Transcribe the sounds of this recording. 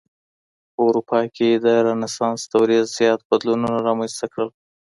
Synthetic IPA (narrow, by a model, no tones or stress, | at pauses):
pəwɾupɑkʰed̪əɾanasɑnst̪awɾizzjɑt̪̚bad̪lununaɾɑmanst̪akɽəl